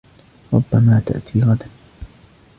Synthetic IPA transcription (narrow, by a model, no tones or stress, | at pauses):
ɾˤʊbːamaːt̪a̰ʔt̪ʰiːɣad̪an